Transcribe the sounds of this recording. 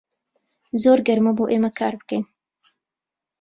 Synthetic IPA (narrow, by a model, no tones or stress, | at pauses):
zoːɾɡɐɾmɐboːʔeːmɐkʰaːɾbɨkɛjn